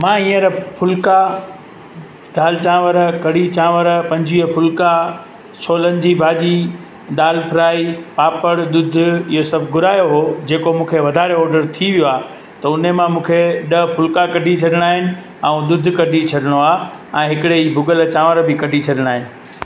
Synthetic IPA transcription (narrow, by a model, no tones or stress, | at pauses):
mãːĩːə̃ɾpʰʊlka | d̪aːlt͡ɕãːʋəɾkɐɽit͡ɕãːʋəɾpɐ̃ɲd͡ʑiəpʰʊlka | sʰoːlənɪ̆d͡ʑibʱaːʄi | ɗ̪aːlpʰɪɾaːipaːpəɽɗ̪ʊd̪ʱʊɪɦosɐbʱɡʊɾaːjoɦod͡ʑeːkomũːkʰeʋɐd̪ʱaːɾeɔːɾɖəɾt̪ʰiʋijoaː | t̪ɐʊnemãmũːkʰeɗɐpʰʊlkakɐɖʱit͡ɕʰɐɗɪɽ̃aːɦɪnɪ̆ | ɛ̃ũd̪ʊd̪ʱkɐɖʱit͡ɕʰɐɗɪɽ̃oaːɛ̃ːɦɪkɪɽeiːbʱʊɡəlt͡ɕãːʋəɾbɪkɐɖʱit͡ɕʰɐɗɪɽ̃aːɦɪnɪ̆